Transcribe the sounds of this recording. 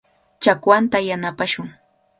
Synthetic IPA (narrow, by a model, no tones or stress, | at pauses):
t͡ʃakwant̪ajanapaʃʊŋ